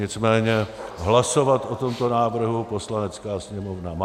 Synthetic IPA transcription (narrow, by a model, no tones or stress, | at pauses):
ɪt͡smɛːɲɛɦlaso̞vat̪ʔo̞t̪o̞mt̪o̞naːvr̩ɦupo̞slanɛt͡skaːsɲɛmovnam